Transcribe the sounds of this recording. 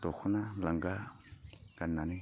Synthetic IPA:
t̪oxunalaŋɡa | kanani

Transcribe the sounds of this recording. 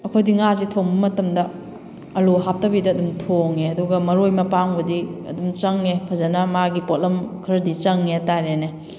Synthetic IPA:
ɐkʰojdiŋazitʰoŋbɐmɐtɐmdɐ | ɐloɦap̚tɐbidɐːdumtʰoŋeɐduɡɐmɐɾojmɐpaŋbɐdiɐ̰dumt͡ʃɐŋepʰɐzɐnɐmaɡipot̚lɐmkʰɐɾɐdit͡ʃɐŋːeɐtaɾene

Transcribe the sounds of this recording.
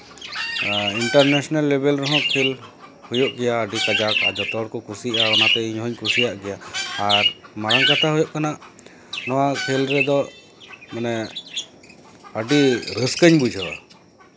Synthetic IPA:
iɳʈaɾnɛsɔnalːɛbɛlɾɔɦɔ̃kʰɛlhujɔʔɡɛjaəɖikad͡ʒaka̰d͡ʒɔt̪ɔɽkɔkʰusiʔaɔnat̪ɛiɲɦɔɲkʰusijaʔɡɛjaːɾmaɾaŋkat̪ʰaɦujɔʔkanaʔ | nɔwakʰɛlɾɛd̪ɔ | manɛ | əɖiɾəskəɲbud͡ʒʱɦɛba̰

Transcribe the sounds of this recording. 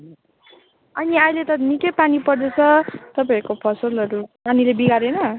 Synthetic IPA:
ʌniajlet̪ʌnikʌpanipʌrd̪et͡sʰʌt̪ʌp̬aikopʰʌsʌlʌɾupanilebiɡaɾenʌ

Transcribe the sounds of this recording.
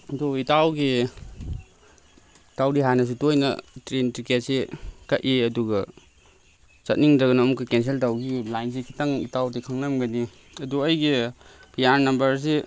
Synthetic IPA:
doitawɡi | tawdiɦanɐs̬itojnɐ̰tɾentɾiket̚sikaʔʔiɐduɡɐ | sɐt̚niŋdɐɡɐnamukikens̬eltawɡilajns̬ikʰi̥taŋḭtawdikʰaŋnamɡani | ɐduɐjɡipʰijaɾnɐmbɐɾs̬i

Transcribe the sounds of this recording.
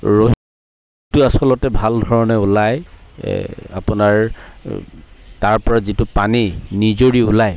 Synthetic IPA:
ɹoɦ | tʊasɔlɔtɛbʱaldʱɔɹɔnɛʊlaj | a̰pʊnaɹ | taɹpɔɹazitʊpaninizoɹiulaj

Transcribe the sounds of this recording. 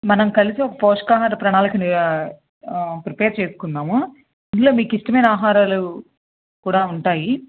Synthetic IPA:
mɐnɐmkɐlisiɔkɐpoːʂɐ̥kaːɦaːɾɐpɾɐɳaːlɐkin | pɾipeːɾt͡ʃeːsu̥kunːaːmu | ind̪uloːmiːkisʈɐmeːnaːɦaːɾaːlu | kuːɽaːuɳʈaːji

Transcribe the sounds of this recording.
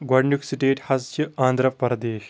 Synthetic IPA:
ɡwɐɖɳuksiʈeːʈhɐst͡ʃiãːnd̪ɾɐʋpɐɾɐd̪eːʃ

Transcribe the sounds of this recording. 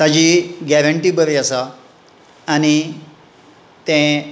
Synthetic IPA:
sad͡ʑiɡɛɾəɳʈiːbəɾiasaː | ñi | t̪ẽ

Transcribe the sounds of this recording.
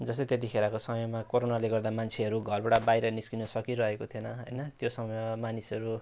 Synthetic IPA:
d͡zʌst̪ʌt̪et̪̬ixeɾakosʌmjomakoɾonaleɡʌrd̪amant͡sʰeʌɾuɡʱʌrbaʈabajɾʌniskinʌsʌkiɾʌɦekot̪ʰijonʌɦʌjnʌt̪josʌmʌjamanisʌɾu

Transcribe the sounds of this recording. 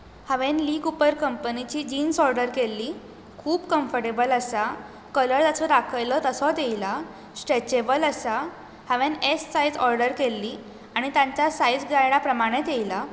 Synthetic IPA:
həʋenliːɡupəɾkəmpənit͡ɕiːd͡ʑiːnsɔɾɖəɾkelːiː | kʰuːbkəmfəɾʈebələsa | kələɾd͡z̪asʰɔd̪akʰəjlət̪əsɔd̪ejla | sʈet͡ɕebələsa | həʋẽnesːajd͡zɔɾɖəɾkelːiː | aɽ̃it̪ãɲt͡ɕjasajd͡zɡajɽapɾəmaɽ̃et̪jejla

